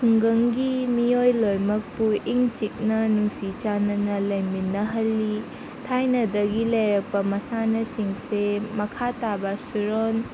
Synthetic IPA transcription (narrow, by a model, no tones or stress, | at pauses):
kʰuŋɡɐŋɡimiojlojmɐk̚puiŋt͡ʃik̚nɐnuŋsit͡ʃanɐnɐlɐjminːɐɦɐlːi | tʰajnɐdɐɡilejɾɐk̚pɐmɐsanɐsiŋsemɐkʰatabɐsuɾon